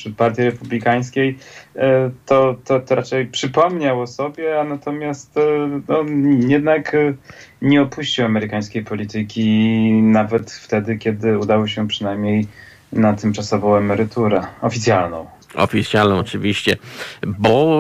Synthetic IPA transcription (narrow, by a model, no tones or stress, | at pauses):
ʂɛpaɾt̪ʲjiɾɛpublʲikaj̃skʲej | t̪ɔt̪ɔt̪ɔɾat͡ʂɛjpʂɘpɔmɲawɔsɔbʲjɛanat̪ɔmʲjast̪nɔjɛd̪nak | ɲɛɔpuɕt͡ɕiwamɛɾɘkaj̃skʲejpɔlʲit̪ɘkʲinavɛt̪ft̪ɛd̪ɘkʲɛd̪ɘud̪awɘɕɛpʂɘnajmɲej | nat̪ɘmt͡ʂasɔvɔ̃w̃ɛmɛɾɘt̪uɾɛɔfʲit̪sʲjalnɔ̃w̃ | ɔ̰fʲit̪sʲjalnɔ̃w̃ɔt͡ʂɘvʲiɕt͡ɕɛbɔ